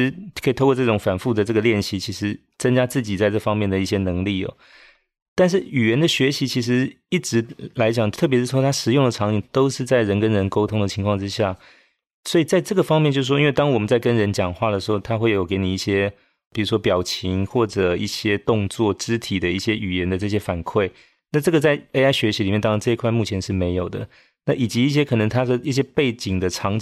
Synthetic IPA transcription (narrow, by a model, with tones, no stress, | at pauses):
kʰi˨˩t̪ʰo˥ʊkwɔ˧˥ʈ͡ʂɤ˥˩ʈ͡ʂʊ˧˥˦ŋfa˨˩nfu˥˩də˩ʈ͡ʂɤ˥˩ɡə˩ljɛ˥˩nɕi˧˥t͡ɕʰi˧˥ʂɻ̩˧˥ | t͡sə˥ŋt͡ɕja˥t͡sɹ̩˥˩t͡ɕi˨˩t͡sa˥˧ɪʈ͡ʂɤ˥˩fɑ˥ŋmjɛ˥˩nd̪ə˩i˥˩ɕjɛ˥nɤ˧˥ŋli˥˩ɐ̰˩ | t̪a˥˧nʂ̬ɻ̩˥˩y˨˩ɥɛ˧˥nd̪ə˧ɕɥɛ˧˥ɕi˧˥t͡ɕʰi˧˥ʂ̬ɻ̩˧˥ | i˥˩ʈ͡ʂɻ̩˧˥la˧˥ɪt͡ɕjɑ˨˩ŋt̪ʰɤ˥˩p̬jʂ̩˥˩wt̪ʰa˥ʂɻ̩˨˩jʊ˥˩ŋd̪ə˩ʈ͡ʂʰɑ˧˥ŋi˨˩ŋt̪o˥ʊʂɻ̩˥˧t͡sa˥˩ɪɻə˧˥nkə˥nɻə˧˥nko˥ʊt̪ʰʊ˥ŋd̪ə˨t͡ɕʰi˧˥ŋkʰwɑ˥˩ŋʈ͡ʂɻ̩˥ɕja˥˩ | swɔ˧˥i˨˩t͡sa˥˧ɪʈ͡ʂɤ˥˩ɡə˩fɑ˥ŋmjɛ˥˧nt͡ɕjʂ̩˥˩ʂwnwe˥˧ɪt̪ɑ˥ŋwɔ˨˩mə˨˦nt͡sa˥˩ɪkə˦˥nɻə˧˦˥nt͡ɕjɑ˨˩ŋxwa˥˩d̪ə˩ʂɻ̩˧˥xo˥˩ʊt̪ʰa˥xwe˥˩ɪjo˨˩ke˧˥ɪni˨˩i˥˩ɕjɛ˥ | pi˨˩ɻu˧˥ʂwɔ˥pjɑ˨˩ʊt͡ɕʰi˧˥ŋxwɔ˥˩ʈ͡ʂɤ˨˩i˥˩ɕjɛ˥t̪ʊ˥˧ŋt͡swɔ˥˩ʈ͡ʂɻ̩˥t̪ʰi˨˩d̪ə˦i˥˩ɕjɛ˥y˨˩jɛ˧˦˥nd̪ə˧ʈ͡ʂɤ˥˩ɕ̬jɛ˥fa˨˩nkʰwe˥˩ɪ | na˥˧ʈ͡ʂɤ˥˩ɡə˩t͡sa˥˩ɪe˥a˥ɪɕɥɛ˧˥ɕi˧˥li˨mɛ˥˧t̪ɑ˥˧˦ʈ͡ʂɤ˥˧i˧kʰwa˥˧ɪmu˥˩t͡ɕʰjɛ˧˥nʂɻ̩˥˩me˧˥ɪjo˨˩ʊd̪ə̰˦ | na˥˩ʔi˨˩t͡ɕi˧˥i˥˩ɕ̬jɛ˥kʰɤ˨˩nɤ˧˥ŋt̪ʰa˥də˨i˥˩ɕ̬jɛ˥pe˥˩ɪt͡ɕi˨˩ŋd̪ə˦ʈ͡ʂʰɑ˧˥ŋ